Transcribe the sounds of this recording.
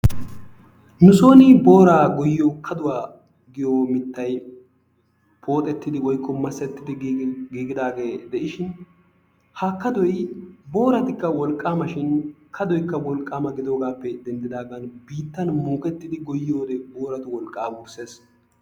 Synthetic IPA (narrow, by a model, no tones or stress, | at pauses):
nʊso̞ːnɪbo̞ːɾaːɡɔjɪoːkʰɐd̪ʊwaː | ɡɪjoːmɪt̪ːɐj | pʰo̞ːt̪ʼɛt̪ːɪd̪ɪwɔjkʰːɔmɐsːɛt̪ːɪd̪ɪɡiːɡɪd̪aːɡe̞ːd̪ɛʔɪʃɪn | hakːɐd̪ɔjbo̞ːɾɐt̪ɪkːɐwɔlkʼːaːmɐʃɪnkʰɐd̪ɔjkːɐwɔlkʼːaːmɐɡɪd̪o̞ːɡaːpːɛd̪ɛnd̪ɪd̪aːɡɐnbiːt̪ːɐnmoːkʼɛt̪ːɪd̪ɪɡɔjɪjoːd̪ɛboːɾɐt̪ʊwɔlkʼːaːwuːɾse̞ːs